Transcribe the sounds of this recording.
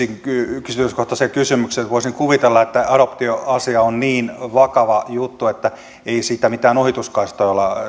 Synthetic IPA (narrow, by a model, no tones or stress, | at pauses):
iŋkysyt̪yskoht̪ɑsekysymykset̪ʋoisiŋkuʋit̪elːɑet̪ːæɑɾopt̪ioɑsiɑonniːnʋɑkɑʋɑjut̪ːuet̪ːæ | eisiːt̪æmit̪æːnohit̪uskɑist̪ɑolːɑ